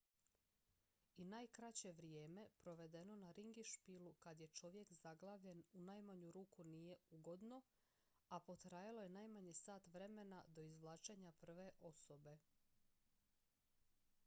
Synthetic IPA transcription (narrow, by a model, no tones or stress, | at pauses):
inajkɾat͡ɕe̞ʋɾije̞ːme̞pɾo̞ʋe̞d̪e̞no̞naɾiŋɡiʃpilukad̪je̞t͡ʃo̞ʋje̞kzaɡlˠaːʋʎe̞nunaːjmaɲuɾuːkunije̞uɡo̞d̪no̞ | apo̞t̪ɾaːjalˠo̞je̞naːjmaɲesaːt̪ʋɾe̞me̞nad̪o̞izʋlˠaːt͡ʃe̞ɲapr̩ʋe̞ʔo̞so̞be̞